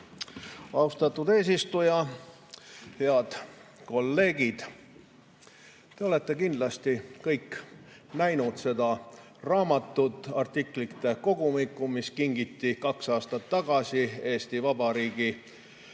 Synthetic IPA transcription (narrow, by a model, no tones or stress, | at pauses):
ɑust̪ɑt̪ːˑud̪e̞ːs̬ist̪ujɑ | heɑd̪̥ko̞lːe̞ːɡid̪̥ | t̪e̞o̞le̞t̪ːe̞kind̪lɑst̪ikɤjkː | næjnud̪̥se̞d̪ɑ | rɑːmɑt̪ːut̪ːˑɑrt̪ikˑlit̪ːˑe̞ko̞ɡ̥umikˑːumiskiŋɡ̥it̪ːikɑksɑːst̪ɑt̪ːɑɡ̥ɑsie̞ːst̪ivɑbɑɾiːɡ̥i